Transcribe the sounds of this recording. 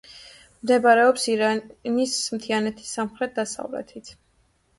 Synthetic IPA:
md̪ɛbaɾɛɔpsiɾanismt̪ʰianɛt̪ʰi̥sːamχɾɛt̪̚d̪asa̰vlɛ̰t̪ʰit̪ʰ

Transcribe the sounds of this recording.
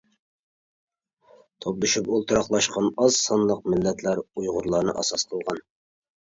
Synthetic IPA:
t̪ʰoplˠɨʃypolˠt̪ʰɨɾɑqlˠɑʃqʰɑnɑzsɑnlˠəq̚mɪlːɛt̪ʰlæɾujʁʊɾlˠɑːɾnɨ̰ʔɑ̰sɑsqʰəlˠʁɑn

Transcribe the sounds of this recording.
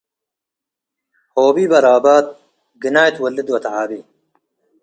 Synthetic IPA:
hoːbiːbɐɾaːbaːd̪̚ | ɡinaːjt̪wɐlːid̪wɐt̪ʕaːbi

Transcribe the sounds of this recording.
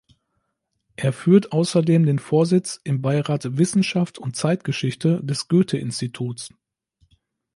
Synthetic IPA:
ʔeːɐfyːɐtʔaʊsɐdeːmdeːnfoːɐzɪt͡sʔɪmbaɪʁaːtvɪsn̩ʃaftʰʊnt̚t͡saɪt̚ɡ̥əʃɪçtʰədɛsɡ̥øːtʰəʔɪnstitʰuːts

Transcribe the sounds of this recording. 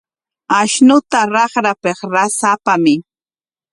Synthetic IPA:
aʃnʊt̪aɾɑχɾapeχɾasapamɪ

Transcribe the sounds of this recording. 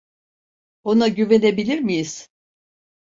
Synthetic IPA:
onaɟyve̞ne̞bilʲiɾmijiz̥

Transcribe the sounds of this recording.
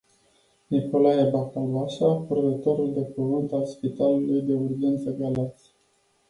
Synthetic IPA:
niko̞laebakalvaʃapɾed̪ət̪o̞ɾuld̪e̞pəvɨnt̪alspit̪alulujd̪e̞urd͡ʒent̪səbjalat̪sʲ

